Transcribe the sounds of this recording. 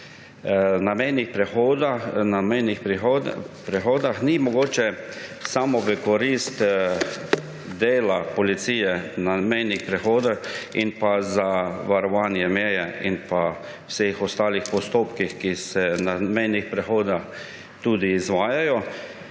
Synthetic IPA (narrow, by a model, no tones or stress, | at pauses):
namɛjnixpɾɛxod̪anamɛjnixɾxpɾɛxoːd̪axnimɔɡoːt͡ʃɛsamɔʋəkɔɾist̪ | d̪eːlapɔlit̪siːjɛnamɛjnixpɾɛxoːd̪axinpazaʋaɾɔʋaːnjɛmjɛjɛinpa | wsexɔst̪aːlixpɔst̪oːpkixkisɛnamɛjnixpɾɛxoːd̪ax | t̪ud̪iːzʋaːjajɔ